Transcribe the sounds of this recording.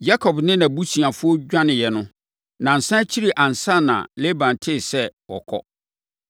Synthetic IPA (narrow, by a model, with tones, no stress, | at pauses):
ja˦kʰɔ˨bnɪ̃˦nã˨bu˦si˨ã˨fʊ˦ɔ˦d͡ʑᶣã˦nɪ̃˨jɛ˨nʊ̃˦ | nã˨n̩˨sã˦t͡ɕʰi˦ɾi˨ʔã˨n̩˨sã˦˨nã̰˨le˦bã˨n˨tʰɪ˦˨sɛ˦wɔ̰˨kʰɔ̰˦